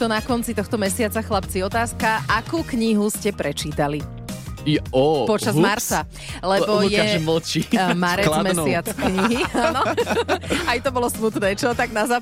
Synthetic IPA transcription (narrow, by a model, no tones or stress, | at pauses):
t̪ɔnakɔnt͡sit̪ɔxt̪ɔmɛsɪat͡saxlapt͡siɔt̪aːskaʔakuːkɲiɦuscɛpɾɛt͡ʃiːt̪ali | ɔpɔt͡ʃazmmaɾt͡sa | lɛbɔjɛml̩t͡ʃimaɾɛlmɛsɪat͡skɲiɦianɔ | ajt̪ɔbɔlɔsmut̪nɛːt͡ʃɔt̪aɡnazaː